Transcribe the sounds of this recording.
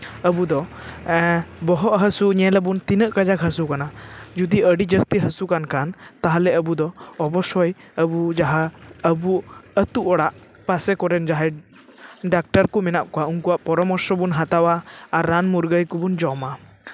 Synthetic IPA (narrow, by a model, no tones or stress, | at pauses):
əbud̪ɔ | bɔɦɔʔɦəsuɲɛlɛbunt̪inəʔkəd͡ʒakɦəsukanad͡ʒud̪iəɖid͡ʒəst̪iɦəsukankant̪aɦalɛəbud̪ɔɔbɔsɔjəbud͡ʒaɦaəbuət̪uʔɔɽaʔ | pasɛkɔɾɛnd͡ʒaɦɛ | ɖak̚ʈaɾkumɛnaʔkɔwaunkuwaʔpɔɾɔmɔɾsɔbunɦat̪awaːɾːanmuɾɡəjkubund͡ʒɔma